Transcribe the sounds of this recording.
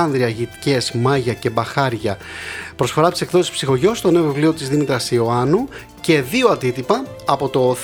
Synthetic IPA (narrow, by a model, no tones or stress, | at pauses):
ɐnðɾiɐʝit̪i̥ce̞zmɐʝɐce̞bɐxɐɾʝɐpɾo̞sfo̞ɾɐt̪ise̞kðo̞sispsixo̞ʝo̞st̪o̞ne̞ovivlio̞t̪izðimit̪ɾɐsio̞ɐnu | ce̞ðioɐnd̪it̪ipɐːpo̞t̪o